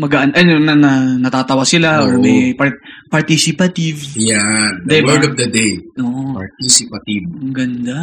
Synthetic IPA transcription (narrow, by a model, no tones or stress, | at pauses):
mɐɡaʔanʔɐnonɐnɐnɐt̪aːt̪ɐwasɪlaʔoɹmɐjpɐɹpɐɹt̪isɪpɐt̪ɪvjand̪ɛwɛd̪ɔvd̪ɐd̪ejʔoːʔopaɹt̪isɪpɐt̪ivmɐɡɐnd̪a